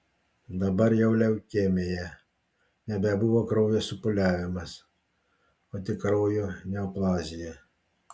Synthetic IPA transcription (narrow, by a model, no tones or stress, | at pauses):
d̪ɐbɐɾjɛʊlʲɛʊkʲemʲejɛ | nʲɛbʲɛbuʋokɾɔʊjosʊpʊlʲæːʋʲɪmɐs | ot̪ʲɪkɾɔʊjonʲɛɐplˠɑːzʲɪjɛ